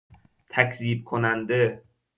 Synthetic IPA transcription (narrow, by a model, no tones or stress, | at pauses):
t̪ʰækʰziːb̚kʰonænd̪e